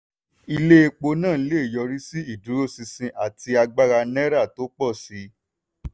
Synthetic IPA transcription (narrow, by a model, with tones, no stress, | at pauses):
i˧le˦e˧k͡po˧nã˦˨˦le˦e˨jɔ˧ɾi˦si˦i˦˨du˨˦ɾo˦˨si˧sĩ˧ʔa˨ti˧a˧ɡ͡ba˦ɾa˧nɛ˦ɾa˦˨to˨˦k͡pɔ˦˨si˨˦